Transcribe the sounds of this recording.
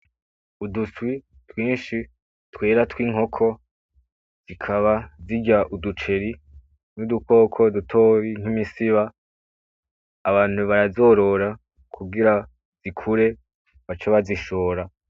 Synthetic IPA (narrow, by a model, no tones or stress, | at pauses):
uduswi | twiːnʃi | twe̞ːɾatwiːŋɦo̞kʰo̞ | z̥ikʰaβaziɟaʔudut͡ʃe̞ɾi | nuduko̞ːkʰo̞dutʰo̞ːβiŋ̥imisiβa | βaːn̥huβaɾazo̞ːɾo̞ɾa | kʰuɡiɾa | z̥ikʰuɾe̞ | βat͡ʃaβaziʃo̞ːɾa